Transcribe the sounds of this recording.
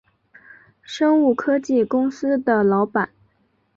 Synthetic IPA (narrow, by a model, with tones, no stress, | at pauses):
ʂɤ˥ŋu˥˩kʰɤ˥t͡ɕi˥˩kʊ˥ŋsɹ̩˥d̪ə˨˩lɑ˧˥ʊpa˨˩˦n